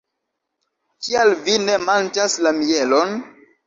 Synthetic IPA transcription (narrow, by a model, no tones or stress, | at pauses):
kialvine̞mant͡ʃaslamielon